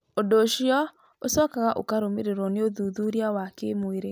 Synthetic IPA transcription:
odoʃiɔ | osɔkaɣaʔo̰kaɾomeɾeɾɔneoðuðuɾiawakemoeɾe

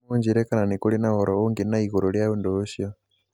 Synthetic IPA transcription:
uɲd͡ʒiɾekananikulinahoɾouŋɡinaiɣuɾoljaundoʃjo

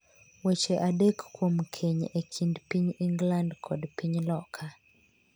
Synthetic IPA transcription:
wet͡ʃeʔadekːwomkʰeɲekʰindpiɲiŋɡlandkʰɔdpiɲlɔkʰa

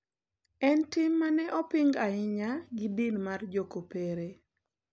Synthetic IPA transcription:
ɛntɪmːanɛʔɔpɪŋɡaɪɲaɡɪdinmard͡ʒokopeɾe

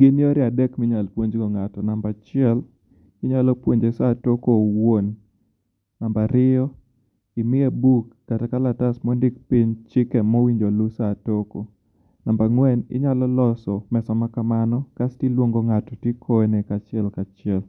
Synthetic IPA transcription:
ɡɪnioɾɪadɛkmɪɲalpwoɲd͡ʒɡɔŋatɔnambat͡ʃɪɛl | ɪɲalɔpwoɲd͡ʒesatokowonː | ambaɾɪjɔ | ɪmɪɛbukːatɛkalatasmɔndɪkpiɲt͡ʃɪkɛmɔwiɲd͡ʒolusatoko | nambaŋwɛnɪ̰ɲalɔlɔsɔmɛsɔmakamanɔkastilwoŋɡoŋatɔtekʰɔnɛkat͡ʃɪɛlkat͡ʃɪɛl

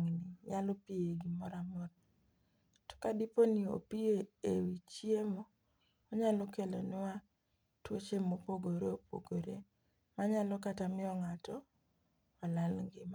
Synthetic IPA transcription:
ŋnɪjalɔpieɡimɔɾamɔɾ | tɔ̥kadiponio̰pieewit͡ʃiemo | ɔɲalɔkelonɪwa | twot͡ʃemopoɡoɾeopo̰ɡoɾḛ | maɲalɔkatamɪɔŋatɔ | walalɡɪm

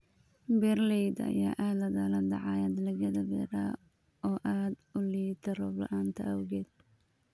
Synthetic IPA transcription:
bɛrlɛjd̪ɐ̰jaːʔaːlɐðaːlɐd̪ɐ̰ʕɑːjɐd̪lɐɣɐðɐbɛ̰ːɾa̰ː | ɔːʔaːd̪ʊliːt̪ʰɐɾɔlɐ̰ʔaːnt̪ʰɐɐwɣɛːd̪

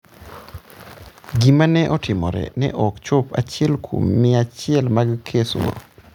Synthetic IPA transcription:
ɡimanɛʔɔtɪmɔɾɛ̰nɛ̰ʔɔkt͡ʃʊpa̰t͡ʃɪɛlkʰo̰mːɪat͡ʃɪɛlmaɡkʰesɔ̰

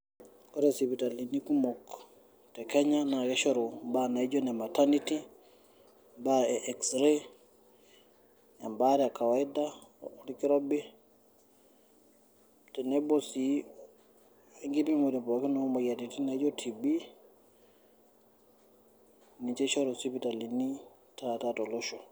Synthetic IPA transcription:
kɔɾɛsipitalinikumɔk | tɛkɛɲanakɛʃɔɾɔbanaid͡ʒɔnɛmataniti | baɛʔɛksɾe | ambaɾɛakawaidaɾikiɾɔbi | tɛnɛbɔsi | ŋɡibimudimpɔkinɔmajatitinaid͡ʒɔtʰibi | nit͡ʃɛʃɔɾɔsipitalini | tatatɔlɔʃɔ

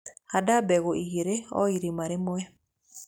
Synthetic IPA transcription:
hadabɛɣoʔiɣeɾeɔ̰iɾimaɾemɔɛ

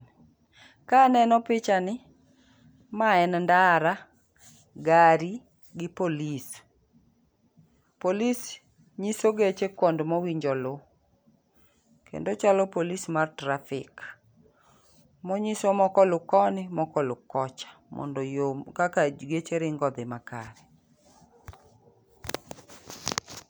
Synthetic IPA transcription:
kanɛnɔpɪt͡ʃanɪ | maɛnndaɾa | ɡaɾi | ɡɪpolis | polis | ɲisoɡet͡ʃekwɔndmɔwiɲd͡ʒɔlo | kḛndot͡ʃalɔpolismartɾafɪk | mɔɲisomɔkɔlʊkɔnɪmɔkɔlʊkɔt͡ʃḁmɔ̰ndɔjomkakad͡ʒɡet͡ʃeɾɪŋɡɔd̪ɪmaka̰ɾɛ

